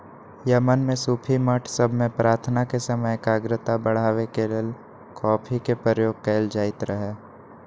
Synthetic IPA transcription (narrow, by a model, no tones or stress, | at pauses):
jəmənmẽsuːpʰiməʈʰsəbʱmẽpɾaːɾt̪ʰnakesəməjkaːɡɾət̪abəɽ̤aːʋekeleːl | kɔːpʰikepɾəjoːɡ̚kɛːld͡ʒaːɪt̪ɾəɦeː